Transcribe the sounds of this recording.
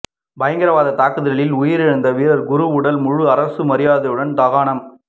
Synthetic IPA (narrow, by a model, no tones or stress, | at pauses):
bɐjɐŋɡɪɾɐʋaːðɐt̪aːkɯðɪɣɐɭɪlʊjɪɾɪɻɯnd̪ɐʋiːɾɐɾɡʊɾɯʊɽɐlmʊɻɯɐɾɐsɯmɐɾɪjaːðɐɯɽɐnt̪aːɣaːɳɐm